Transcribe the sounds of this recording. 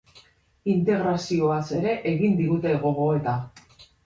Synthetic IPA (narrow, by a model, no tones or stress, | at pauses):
int̪e̞ɣɾasio̞ase̞ɾe̞ʔeɣind̪iɣut̪e̞ɣo̞ɣo̞e̞t̪a